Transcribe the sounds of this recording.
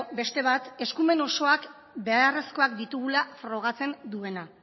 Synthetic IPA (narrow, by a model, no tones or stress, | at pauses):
be̞st̪e̞β̞at̪e̞skume̞no̞so̞ak | be̞are̞sko̞akd̪it̪uɣ̞ulafɾo̞ɣ̞at͡se̞nd̪ue̞na